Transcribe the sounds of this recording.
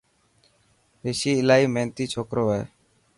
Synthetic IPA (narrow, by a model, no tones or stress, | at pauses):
eʃiːlaiment̪it͡ʃʰokɾoʋa